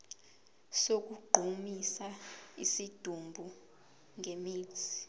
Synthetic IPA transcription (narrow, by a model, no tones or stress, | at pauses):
sok̬uɡ͡ǃʱumisaisid̥ʱumbʱu | ŋemi̥ːi̥